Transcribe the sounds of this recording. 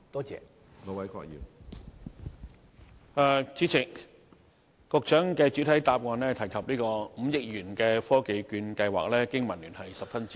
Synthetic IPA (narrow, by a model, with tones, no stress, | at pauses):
t̪ɔː˥t͡sɛ̰ː˨˧ | ŋo˨˧˥wɐ˨˥jkʰɔ̰ː˧k̚jḭː˨˩ | ɐ˨t͡siː˨˥t͡sʰɪ˨˩k̚ | ɔ˧k̚t͡ʃœː˨˥ŋkɛː˧t͡ʃyː˨˥t̪ʰɐ˨˥jt̪aː˧p̚ŋɔː˨˧nlɛː˥t̪ʰɐ˨˩jkʰɐ˨p̚liː˥kɔː˧m̩˨˧jɪ˨˥k̚jyː˨˩nkɛː˧fɔː˥ke˨˧jkyː˧nkɐ˧jwa̰ː˨k̚lɛː˥kɪ˥ŋmɐ˨˩nlyː˨˩nhɐ˨jsɐ˨p̚fɐ˥nt͡siː˥